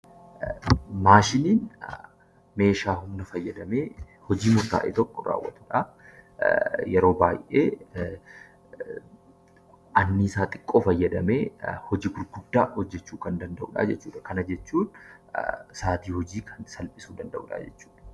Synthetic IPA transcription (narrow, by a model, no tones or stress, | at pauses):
maːʃɪniːn | me̞ːʃaːɦʊmnɐfɐjːɐd̪ɐme̞ː | hɔd͡ʒiːmʊɾt̪a̰ːʔɪ̰t̪ɔkʼːɔɾa̰ːwːɐ̰t̪ʊᶑa | jɛɾo̞ːbaːjʔḛː | ɐnːɪɪsaːt̪ʼɪ̥kʼːoːfɐjːɐd̪ɐme̞ːhɔd͡ʒiːɡʊɾɡʊd̪ːaːhɔd͡ʒːɛt͡ʃːuːkɐnd̪ɐnd̪ɐʔuːᶑa̰ːd͡ʒɛt͡ʃːuːᶑɐkɐnɐd͡ʒɛt͡ʃːuːn | saːt̪iːhɔd͡ʒiːkʰɐnsɐlpʼɪsuːd̪ɐnd̪ɐʔṵːᶑa̰ːd͡ʒɛt͡ʃːu̥ːᶑɐ̥